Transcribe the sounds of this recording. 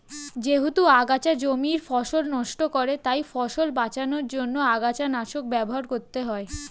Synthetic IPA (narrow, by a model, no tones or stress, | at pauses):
d͡ʑeɦut̪uaɡat͡ɕad͡ʑomiɾfɔʃolnɔʃʈokɔɾet̪ajfɔʃolbat͡ɕanoɾd͡ʑonːoaɡat͡ɕanaʃok̚bɛboɦaɾkoɾt̪eɦɔe